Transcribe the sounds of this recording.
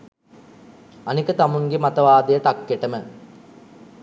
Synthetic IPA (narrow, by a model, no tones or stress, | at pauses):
anikət̪amuŋɡemat̪əʋaːd̪əjəʈakːeʈəmə